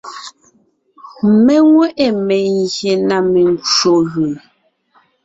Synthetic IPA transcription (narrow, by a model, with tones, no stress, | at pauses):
me˦ŋwɛ˦ʔe˨me˨ŋɣje˨na˨me˨n˦t͡ʃo˨ɣʉ˨